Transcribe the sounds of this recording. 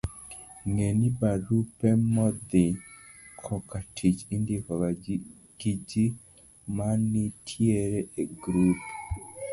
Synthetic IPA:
ŋenibaɾupɛmɔd̪ɪ | kʰɔkatʰit͡ʃindikɔ | ɡ̥id͡ʒi | manitʰjieɾɛeɡɾup

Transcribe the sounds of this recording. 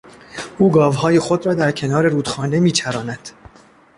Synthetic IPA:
ʔuːɡɒːvhɒːje̞xo̞d̪ɾɒːd̪æɾcʰe̞nɒːɾe̞ɾuːd̪̥xɒːne̞miːt͡ʃʰæɾɒːnæd̪̥

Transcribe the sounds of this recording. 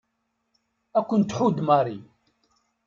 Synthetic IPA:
ækʷːənt̪ːħud̪mɑɾˤi

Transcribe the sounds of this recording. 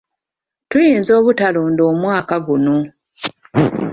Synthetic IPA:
tujiːnzo̞ːβutaloːndo̞ːmwaːkaɡuno

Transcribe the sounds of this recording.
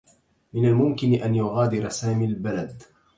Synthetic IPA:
mɪnalmʊmkɪnɪʔanjʊɣaːd̪ɪɾɑsaːmilbalad̪

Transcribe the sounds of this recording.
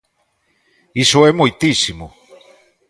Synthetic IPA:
isoɛmojt̪isimo

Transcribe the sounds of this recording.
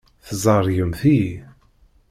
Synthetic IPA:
θzˤɑɾˤjəmθi

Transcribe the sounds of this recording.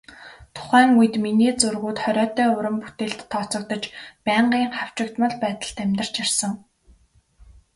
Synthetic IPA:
t̪ʰʊ̥χæːŋuj̆t̪miniːt͡sɵrɣuːt̪χœɾʲɔːt̪œːʊɾə̆mpu̥t̪eːɬt̪ʰːɔt͡sɞ̆kt̪ə̆t͡ɕpæːɴɢiːŋχaw̥t͡ɕɪ̆kt̪mə̆ɮpæːt̪ə̆ɮt̪æmʲt̪ə̆r̥t͡ɕjarsə̆ŋ

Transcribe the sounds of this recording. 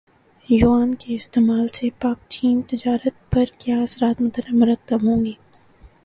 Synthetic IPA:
juaːnkeɪst̪eːmaːlsepaːkt͡ʃiːnt̪ɪd͡ʒaːɾət̪̚pɐɾkjaːɐsɾaːt̪mʊt̪əɾəmʊɾɐk̚t̪əbɦõːŋɡeː

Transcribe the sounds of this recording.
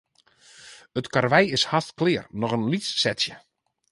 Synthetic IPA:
ətkarʋɛjɪshastklɪərnɔɣənlisːɛtsjə

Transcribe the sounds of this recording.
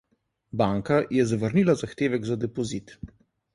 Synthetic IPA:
baːŋkajɛzaʋəɾnilazaxt̪eːʋɛɡzad̪ɛpɔzit̪

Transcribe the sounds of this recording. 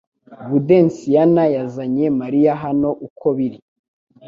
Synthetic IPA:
ɡude̞nsijanajazaɲe̞maɾijaɦano̞ʔukʰoβiɾi

